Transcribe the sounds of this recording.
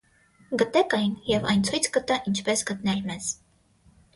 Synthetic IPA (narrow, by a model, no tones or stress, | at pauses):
ɡət̪ɛkɑjnjɛvɑ̰jnt͡sʰujt͡sʰɡət̪ɑʔint͡ʃʰpɛsɡət̪nɛlmɛz̥